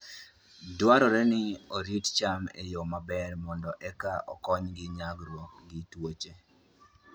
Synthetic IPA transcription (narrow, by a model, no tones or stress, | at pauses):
dwaɾɔɾɛnɪoɾitt͡ʃamḛjomabɛrmɔndɔʔɛkaʔɔ̰kɔɲɡɪɲaɡɾwokɡɪtwot͡ʃe